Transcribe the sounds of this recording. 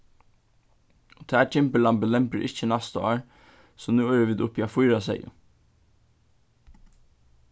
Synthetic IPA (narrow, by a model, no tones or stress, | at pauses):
t̪ʰɛːt͡ʃʰɪmpəlampəlɛmpəɾʔɪt͡ʃːənɑst̪ɔ̰ːɹ | sɔnuːɛːɹəʋiːd̪ʊpːiafʊjɾasɛ̰ɪʊ̰